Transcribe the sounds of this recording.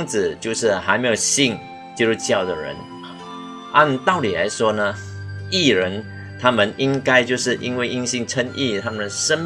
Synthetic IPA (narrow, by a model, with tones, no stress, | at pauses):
ŋt͡sɹ̩˨˩t͡ɕjo˥˧ʊʂɻ̩˥˩ɦa˧ɪme˧˥jo˨˩ʊɕi˥˩ŋ | t͡ɕi˥lu˥˩t͡ɕjɑ˥˩ʊd̪ə˩ɻə̰˧˥n˩ | ʔa˥˧nt̪ɑ˥˩ʊli˨˩la̰˧˦˥ɪʂwɔ˥nə˧ | i˥˩ɻə˧˦˥n | t̪ʰa˥mə˨ni˦˥ŋka˥ɪt͡ɕjo˥˧ʊʂɻ̩˥˩ʔi˥nwe˥˩ɪi˥ŋɕi˥˧ŋʈ͡ʂʰə˥nʔi˥˩t̪ʰa˥mə˨nʂə˥n